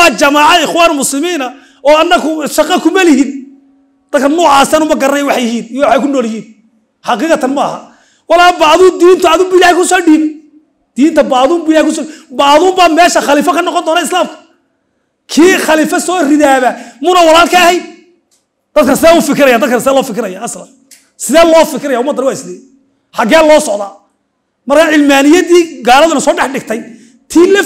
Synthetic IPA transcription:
wɑːt͡ʃɐmaːʕɑɪxwaːnmʊslɪmiːnɐ | ɔːɐnːɐɣʊʃɑqɑkʰʊmɐlɪhiːn | d̪̥ɐd̪̚kʰɐnuːʕaːsɐnʊmɐɡɐɾɛjwɑħjɪhiːnjwɑħɑjkʰʊnɔːljɪhiːn | ħɑqɪːqɑt̪ʰɐnmɐɐ̰hɐ̰ | wɑlaːbaːðud̪iːnt̪ʰʊɐðʊmbuːɪlaːhɛjkʰʊsɔːɖiːb | d̪̥iːnt̪ʰɐbaːðuːmbuɪlaːhɛjkʰʊs̬ɔːibaːðuːmbaːmɛːʃɐχɑliːfɐkʰɐnɔqɔnd̪ɔːnɐɪslaːmkʰɐ̥ | kʰiːχɐliːfɐsɔːrɪðaːβæmʊnɐwɑlaːlkʰɐːhɛjd̪̚ | d̪̥ɐd̪̚kʰɐnsɪðɛːʊfɪkʰɪɾɐjaːd̪ɐd̪kɐnsɪðɛːlɔːfɪkʰɪɾɐjaːslɐn | sɪðɛːlɔːfɪkʰɪɾɐjaːʊmɐd̪ɐɾɪwaːɪsɪðɛ | ħɑɡɛːlːɔːsɔʕðaː | mɐrkʰaːʕɪlmaːnɪjɐðiːɡaːlɐðʊnɐsɔːɖɛħɖɪɡt̪ʰɛj | t̪ʰiːlɐ

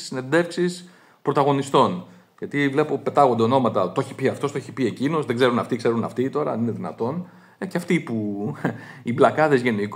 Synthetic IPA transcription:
sine̞nd̪e̞fksis | pɾo̞t̪ɐɣo̞nist̪o̞n | ʝɐt̪ivle̞po̞pe̞t̪ɐɣo̞nd̪eno̞mɐt̪ɐt̪oçipiɐft̪o̞st̪ooçi̥pie̞cino̞zðe̞ɡze̞ɾunɐft̪iɡze̞ɾunɐft̪it̪o̞ɾɐɐnine̞ðinɐ̰t̪o̞n | eceɐft̪ipu | iblɐkɐðe̞zʝe̞nik

